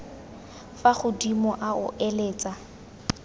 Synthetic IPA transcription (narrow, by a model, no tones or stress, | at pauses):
faχʊdimɔʔaʊ̰ʔeleːt͡sʼa